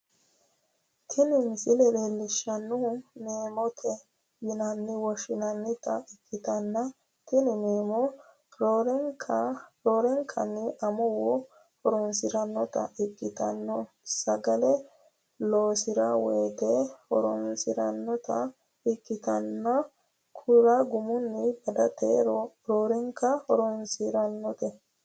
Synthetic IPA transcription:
t̪ʰɪnɪmɪsɪlɛleːlːɪʃːɐnːʊmeːmɔt̪ʰɛ | jɪnɐnːɪwɔʃɪnɐnːɪt̪ɐɪkʼːɪt̪ɐnːɐ | t̪ɪnɪmeːmɔ | ɾoɾŋkʰɾoːɾɛŋkʰɐ̰nːɪʔɐmɔwɔ | hɔɾɔnsɪɾɐnːɔt̪ɐ̰ʔɪkʼːɪt̪ɐnːɔ | sːɐɡɐlɛ | loːsɪɾɐweːt̪ehɔɾɔnsɪɾɐnːɔt̪ɐ | ɪkʼːɪt̪ɐnːɐ | kʰʊɾaɡʊmʊnːɪbɐd̪ɐt̪eɾ | ɾoːɾɛŋkːɐhɔɾɔnsiɾɐnːɔt̪ɛ

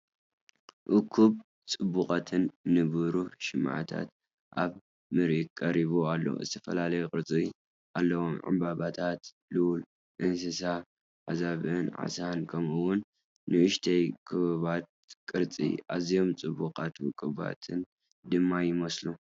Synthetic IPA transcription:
ʔʊkʰːuβ | t͡sʼɨbːuqʼat̪ʰɨnːɨβɨɾuʃɪmʕa̰t̪ʰa̰t̪ | ʔaβ | mɨɾʔikʼːɐɾiβualːɐ̰wo̰zɨt̪ʰɐfɐlalɐjukʼɨɾt͡sʼi | ʔalːɐwomʕɨ̰mbaβat̪ʰat̪ | lɨwl | ʔɨnsɨsa | ʕa̰zaβɨnʕa̰sankʰɐmɨwːʊnː | ɨʔɨʃt̪ʰɐjkʰɨβɨβat̪̚kʼɨɾt͡sʼḭʔazijo̞mt͡sʼɨbːuqʼat̪wɨkʼːɨβa̰t̪ʰɨn | d̪ɨmːajɪmɐslu

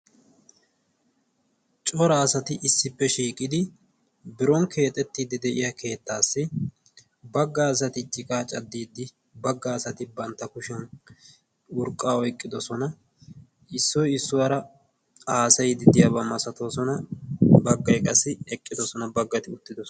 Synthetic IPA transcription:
t͡ʃʼɔɾaːsɐt̪ɪʔɪsːɪpːɛʃiːkʼɪd̪ɪ | bɪɾɔŋkʰe̞ːt̪ʼɛt̪ːiːd̪ɪd̪ɛʔɪjɐkʰe̞ːt̪ːaːsːɪ | bɐɡːaːs̬ɐt̪ɪt͡ʃʼːɪkʼaːt͡ʃʼɐd̪ːiːd̪ːɪ | bɐɡːaːsɐt̪ɪbɐnt̪ːɐkʊʃɛn | ʊɾkʼːaːɔjkʼːɪd̪ɔsɔnɐ | ɪsːɔjɪsːʊwɐɾɐ | aːsɐjd̪ɪd̪ɪjɐbɐmɐsɐt̪o̞ːsɔnɐbɐɡːɐjkʼɐsːɪɛkʼːɪd̪ɔsɔnɐbɐɡːɐt̪ɪʊt̪ːɪd̪ɔs

